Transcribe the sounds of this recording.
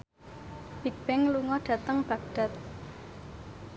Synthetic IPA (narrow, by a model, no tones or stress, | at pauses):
b̥ib̥ɛŋluŋɔɖ̥ä̤t̪əŋb̥ä̤ɡ̚d̥a̤t̪̚